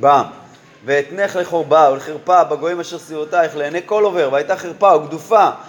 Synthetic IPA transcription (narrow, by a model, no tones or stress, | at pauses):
bam | veet̪neχle̞χo̞ʁbauleχeʁpabeɡo̞imaʃeʁsivot̪aeχleːneko̞lo̞veʁveajt̪aχeʁpaoɡd̪ufa